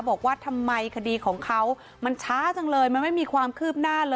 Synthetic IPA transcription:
bɔː˨˩k̚waː˥˩t̪ʰa˧mːa˧jkʰa˧diː˧kʰɔː˩˦ŋkʰa˦˥w | ma˧nt͡ɕʰaː˦˥t͡ɕa˧ŋlɤː˧jma˧nma˥˩jmiː˧kʰwaː˧mkʰɯː˥˩p̚naː˥˩lɤː˧

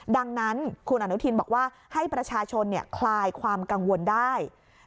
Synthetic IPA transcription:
da˧ŋna˦˥nkʰu˧nʔa˧nu˦˥t̪ʰiː˧nbɔː˨˩k̚waː˥˩ | ha˥˩jpɾa˧t͡ɕʰaː˧t͡ɕʰo˧nːi˥˩ɐkʰlaː˧jkʰwaː˧mka˧ŋwo˧ndaː˥˩j

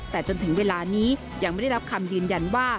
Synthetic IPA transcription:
t̪ɛː˨˩t͡ɕo˧nt̪ʰɯ˨˩˦ŋweː˧laː˧niː˦˥ | ja˧ŋa˥˩da˥˩a˦˥p̚kʰa˧mjɯː˧nja˧nwaː˥˩

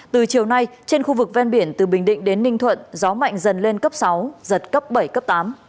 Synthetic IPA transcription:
t̪ɨ˨˩t͡ɕi˨˩əwna˧jt͡ɕe˧nxu˧vɨ˨˩k̚vɛ˧nɓi˧˩ənt̪ɨ˨˩ɓï˨˩ŋ̟ɗḭ̈˧˨ŋ̟ɗe˨˦nːï˧ŋt̪ʰwə̰˧˨nzɔ˨˦ma̰˧˨jŋ̟zə˨˩nle˧nkə˦˥p̚sa˨˦wzə˨˩t̚kə˦˥p̚ɓə˧˩jkə˦˥p̚t̪aː˨˦m

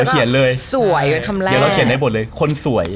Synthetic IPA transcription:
wkʰi˨˩˦nlɤː˧jsu˨˩˦əjt̪ʰa˧m˨˩˦ɾa˧wkʰi˩˦ndaː˧˩bt̪̚lɤː˧jjkʰo˧nsu˩˦ɐj

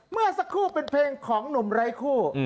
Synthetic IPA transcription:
mɯ˥˩ɐsa˦˥kʰːuː˥˩pe˧npʰeː˧ŋkʰɔː˩˦ŋnu˨˩˦mɾa˧˥jkʰuː˥˩

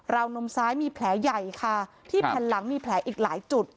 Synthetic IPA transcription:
ɾa˧wno˧msaː˦˥jmiː˧pʰlɛː˩˦ja˨˩jkʰa˥˩ | t̪ʰiː˥˩pʰɛː˧nla˩˦ŋmiː˧pʰlɛː˩˦˥ʔiː˨˩k̚laː˩˦jt͡ɕu˨˩t̪̚

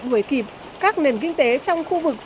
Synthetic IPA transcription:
ɗu˨˩əjki˨˩p̚ | kaː˦˥k̚ne˨˩nkï˧ŋ̟t̪e˨˦t͡ɕɔ˧wŋ͡mxu˧vɨ˨˩k̚

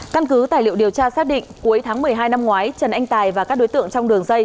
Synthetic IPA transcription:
ka˧nkɨ˨˦t̪a̰ː˧˩jlḭ˧˨əwɗi˨˩əwt͡ɕaː˧saː˦˥k̚ɗḭ̈˧˨ŋku˨˦əjt̪ʰaː˨˦ŋmɨ˨˩əjɦaː˧jna˧mŋwaː˨˦jt͡ɕə˨˩nʔa˧jŋ̟t̪aː˨˩jvaː˨˩kaː˦˥k̚ɗo˨˦jt̪ɨ̰˧˨əŋt͡ɕɔ˧wŋ͡mɗɨ˨˩əŋzə˧j

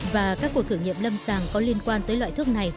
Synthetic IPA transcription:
vaː˨˩kaː˦˥kːu˨˩ək̚t̪ʰɨ˧˩əŋɲḭ˧˨əmlə˧msaː˨˩ŋkɔ˨˦li˧ənkwaː˧nt̪əː˨˦jlwa̰˧˨t̪ɨ˦˥ək̚na˨˩j

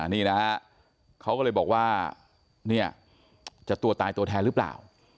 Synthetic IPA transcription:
niː˥˩na˦˥ | kʰa˦˥wkːlːɤː˧jbɔː˨˩k̚waː˥˩ | ni˥˩ɐ | t͡ɕa˨˩t̪u˧˩ət̪aː˧jt̪u˧ət̪ʰɛː˧nɾɯ˦˥pla̰ː˨˩w

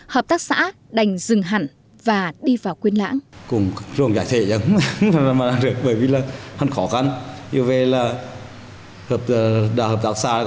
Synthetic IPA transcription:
həː˨˩p̚t̪aː˦˥k̚sa̰ː˧˥ | ɗa˨˩jŋ̟zɨ˨˩ŋɦa˧˩ŋ | vaː˨˩ɗi˧vaː˨˩wkwi˧ənla̰ː˧˥ŋkʊ˨˩ŋ͡mzu˨˩əŋt͡ɕaː˧˩jt̪ʰḛ˧˨zə˨˦ŋ͡mvaː˨˩˧maː˨aː˧ŋɗɨ˨˩ək̚ɓəː˧˩˦jvi˨˩laː˨˩ha˨˧˩nxɔ˧˦xa˧nɲḭ˧ve˧˩laː˨˩ | həː˨˩p̚ːɗaː˧˩həː˨˩p̚t̪aː˦˥k̚sa̰ː˧˥˨

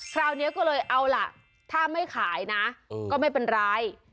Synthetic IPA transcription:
kʰɾaː˧wni˦˥kɔː˥˩lɤː˧jʔa˧wla˨˩ʔ | t̪ʰaː˥˩ma˥˩jkʰaː˩˦jna˦˥kɔː˥˩ma˥˩jpe˧nɾaː˦˧˥j

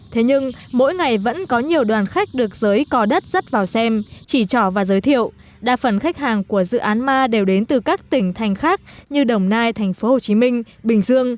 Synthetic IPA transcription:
t̪ʰe˨˦ɲɨ˧ŋmo̰˧˥jŋa˨˩jvə̰˧˥nkɔ˨˦ɲi˨˩əwɗwaː˨˩nxa˦˥k̟̚ɗɨ˨˩ək̚zəː˨˦jkɔ˨˦ɗə˦˥t̚zə˦˥t̚vaː˨˩wsɛ˧mt͡ɕi˧˩t͡ɕɔ˧˩vaː˨˩zəː˨˦jt̪ʰḭ˧˨əw | ɗa̰ː˧˥fə˧˩nxa˦˥jk̟̚haː˨˩ŋku˧˩əzɨ̰˧˨ʔaː˨˦nmaː˧ɗe˨˩wɗe˨˦nt̪ɨ˨˩kaː˦˥k̚t̪ï˧˩ŋ̟t̪ʰa˨˩jŋ̟xaː˦˥k̚ɲɨ˧ɗə˨˩wŋ͡mnaː˧jt̪ʰa˨˩jŋ̟fo˨˦ho˨˩t͡ɕi˨˦mï˧ŋ̟ | ɓï˨˩ŋ̟zɨ˧əŋ

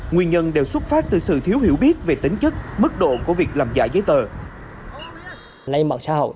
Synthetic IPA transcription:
ŋwi˧ənɲə˧nɗe˨˩wswə˦˥t̚faː˦˥p̚t̪ɨ˨˩sɨ̰˧˨t̪ʰi˨˦əwhi˧˩əwɓi˦˥ət̚ve˨˩t̪ï˨˦ŋ̟t͡ɕɨ˦˥k̚mɨ˦˥k̚ɗo̰˧˨ku˧˩əvi˨˩ək̚laː˨˩mza̰ː˧˥jzəː˨˦jt̪əː˨˩ | lə˧jma̰˧˨˩nsaː˧˦hə̰˧˨

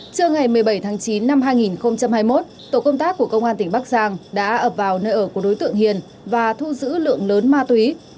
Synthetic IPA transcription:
t͡ɕɨ˧əŋa˨˩jmɨ˨˩əjɓə˧˩jt̪ʰaː˨˦ŋt͡ɕi˨˦nːa˧mɦaː˧jŋi˨˩nxə˧wŋ͡mt͡ɕa˧mhaː˧jmo˦˥t̚t̪o˧˩kə˧wŋ͡mt̪aː˦˥kːu˧˩əkə˧wŋ͡mʔaː˧nt̪ï˧˩ŋ̟ɓaː˦˥k̚zaː˧ŋɗa̰ː˧˥ʔəː˧˩p̚vaː˨˩wnəː˧jʔəː˧˩ku˧˩əkɗo˨˦jt̪ɨ̰˧˨əŋhi˨˩ən | vaː˨˩t̪ʰu˧zɨ̰˧˥lɨ̰˧˨əŋləː˨˦nmaː˧t̪wi˨˦

